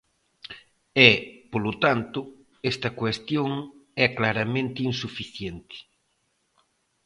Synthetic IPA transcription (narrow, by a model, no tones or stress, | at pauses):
ɛpolot̪ant̪ʊ | ɛst̪ɐkwest̪joŋɛklaɾamẽnt̪ɪinsufiθjent̪ɪ̥